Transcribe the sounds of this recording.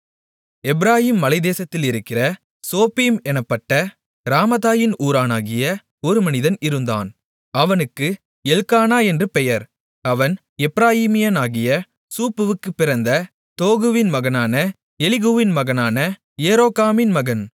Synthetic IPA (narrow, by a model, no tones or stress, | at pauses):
ɛbɪɾaːjiːmːɐlɐɪðeːsɐt̪ːɪlɪɾɯkːɪrɐ | soːpːimɛnɐpːɐʈːɐ | ɾaːmɐðaːjɪnuːɾaːnaːɣɪjɐ | ɔɾɯmɐnɪðɐnɪɾɯnd̪a̰ːn | ɐʋɐnɯkːɯ | ɛlkaːnaːɛndrɯpɛjɐɾ | ɐʋɐn | ɛbɪɾaːjiːmɪjɐnaːɣɪjɐ | suːpːɯʋɯkːɯpːɪɾɐnd̪ɐ | t̪oːɣɯʋɪnmɐɣɐnaːnɐ | ɛlɪɣuʋɪnmɐɣɐnaːnɐ | eːɾoːkaːmɪnmɐɣɐn